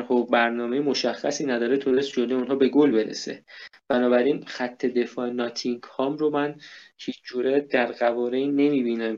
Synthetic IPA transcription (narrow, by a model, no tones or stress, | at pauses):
ɾhobæɾnɒːme̞jemo̞ʃæxːæsiːnæd̪ɒːɾet̪ʰod̪esd͡ʒod̪eunɦɒːbe̞ɡolbe̞ɾḛse̞̰b̥ænɒːbæɾiːnxæt̪ʰːe̞d̪e̞fɒːenɒːt̪ʰiŋɡhɒːmɾomænhiːt͡ʃʰd͡ʒuːɾed̪æɾɢævɒːɾenːe̞miːbiːnæm